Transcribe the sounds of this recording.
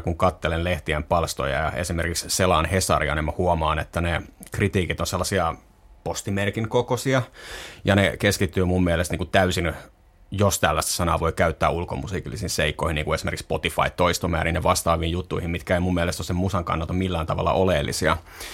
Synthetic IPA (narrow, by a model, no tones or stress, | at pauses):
kuŋkɑt̪ːelenleht̪iæmpɑlst̪o̰jɑ̰jɑ̰esimerkiksselɑːnhesɑ̰riɑnemːɑhuomɑːnet̪ːænekrit̪iːkit̪onselːɑsiɑ | post̪imerkiŋkokosiɑjɑnekeskit̪ːyːmumːielest̪niːŋkut̪æysin | jost̪ælːæst̪æ̥sɑnɑːʋo̞ikæyt̪ːæːulkomusiːkilːisiːnseikːoihiniːŋkuesimerkikspot̪ifɑ̰it̪t̪ːoist̪omæ̰ːɾineʋɑst̪ɑːʋiːjjut̪ːuihimmit̪kæeimumːielest̪osemmusɑŋkɑ̰nːɑlt̪ɑmilːæːnt̪ɑʋɑ̰lːɑ̰ʔoleːlːʔḭsiɑ̰